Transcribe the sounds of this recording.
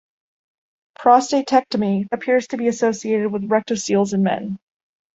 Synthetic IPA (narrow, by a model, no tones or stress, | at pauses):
pʰɹ̥ɑsteɪtʰɛk̚təmiɨpʰɪɹz̥tʰɨbiɨsoʊsieɪɾɨd̚wəðɹɛk̚təsilˠzɨ̃nmɛ̰̃n